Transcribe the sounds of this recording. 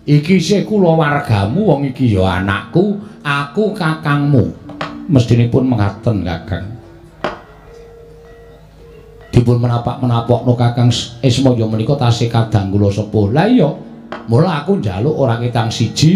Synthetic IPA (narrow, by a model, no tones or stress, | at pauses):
ʔikisehkulɔwarɡ̥a̤muwɔŋikijɔa̰na̰ʔkuakukakaŋmuməst̪inipʊnməŋart̪ənka̰ka̰ŋ | d̪̥i̤pʊnmənapa̰ʔmənapɔʔnokakaŋsesmɔjɔmənikɔt̪asɪkad̪̥a̤ŋkulɔsəpʊhlaijɔ | molaakund͡ʒalʊʔoɾakit̪aŋsid̥ʒ̥i̤